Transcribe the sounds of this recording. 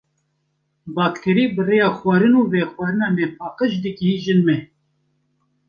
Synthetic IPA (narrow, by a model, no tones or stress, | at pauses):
bɑːkt̪ʰeɾiːbɨreːjɑːxwɑːɾɨnuːvɛxwɑːɾɨnɑːmɛpʰɑːqəʃd̪ɨɡiɦiːʒɨnmɛ